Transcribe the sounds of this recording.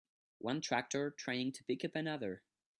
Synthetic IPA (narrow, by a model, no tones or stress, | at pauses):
wʔʌ̃ntʰɹ̥æk̚tə˞tʰɹ̥ẽɪɪ̃ŋtʰəpɪkɨpɨnʌðə˞